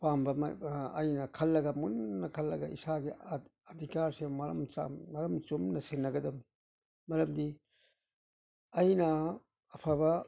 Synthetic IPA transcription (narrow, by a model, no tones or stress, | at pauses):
pambɐmɐ̰jnɐkʰɐlːɐɡɐmunːɐkʰɐlːɐɡɐʔḭsaɡiɐd̪ʱikaɾsemɐɾɐ̰mt͡ʃa̰mɐɾɐmt͡ʃumnɐsenːɐɡɐdɐm | mɐɾɐmdi | ɐjnɐː | pʰabɐ